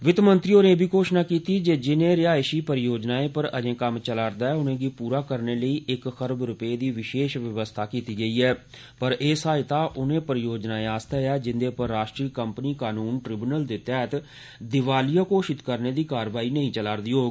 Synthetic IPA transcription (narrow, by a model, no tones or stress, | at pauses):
ʋɪt̪mənt̪ɾiːoːnẽːbʱiːkoːʃnaːkiːt̪iːd͡ʒeːd͡ʒɪnẽːɾɪaːʃiːpəɾjoːd͡ʒnaːeːpəɾəd͡ʒẽːkəmt͡ʃəlaːɾd̪aːɛːʊnẽːɡiːpuːɾaːkəɾneːləiːʔɪkxəɾbɾʊpeːd̪iːʋɪʃeːʃʋɪʋəst̪ʰaːkiːt̪iːɡəiːɛː | pəɾʔeːsaːɪt̪aːʔʊnẽːpəɾjoːd͡ʒnaːeaːst̪aːaːd͡ʒɪnd̪eːpəɾːaːʃʈɾiːkəmpniːkaːnuːnʈɾɪbnəld̪eːt̪ɛːt̪ | d̪ɪʋaːlijaːkoːʃɪt̪kəɾneːd̪iːkaːɾʋaːiːnəɦĩːt͡ʃəlaːɾd̪iːɦoː